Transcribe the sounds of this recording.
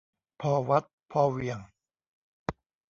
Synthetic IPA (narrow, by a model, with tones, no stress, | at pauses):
pʰɔː˧wa˦˥t̪̚pʰɔː˧wi˧əŋ